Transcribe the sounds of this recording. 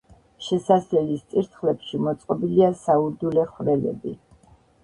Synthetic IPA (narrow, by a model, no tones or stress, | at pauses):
ʃɛsaslɛlist̪sʼiɾt̪ʰχlɛpʃimɔt̪sʼqʼɔbiliasauɾd̪ulɛχvɾɛlɛ̰bi